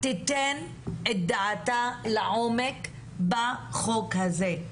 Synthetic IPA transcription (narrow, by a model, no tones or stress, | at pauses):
t̪it̪en | et̚d̪aatalaʕomek | baχokhaze